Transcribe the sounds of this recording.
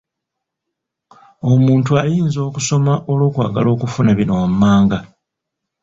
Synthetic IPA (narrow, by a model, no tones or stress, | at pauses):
o̞muːntuajiːnzo̞ːkuso̞maʔo̞lo̞ːkwa̰ːɡalo̞ːkufunaβino̞wamːaːŋɡa